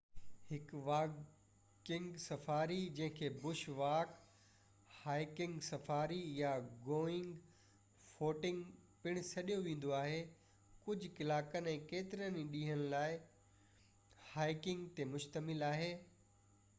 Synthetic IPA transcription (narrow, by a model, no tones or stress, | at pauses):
hɪkʋaː | kɪ̃ŋɡsɐfaːɾid͡ʑɐ̃ɦɪ̃kʰeːbʊʃʋaːk | haːɪkɪ̃ŋɡsɐfaːɾijaɡoːɪ̃ŋɡ | foːʈɪ̃ŋɡpɪɽ̃sɐɗijoʋẽːn̆d̪oaːɦe | kʊd͡ʑʱkɪlaːkənɛ̃ːkeːt̪ɪɾənĩɗĩːɦəñlaːɪ | haːɪkɪ̃ŋɡt̪emʊʃt̪əmɪlaːɦeː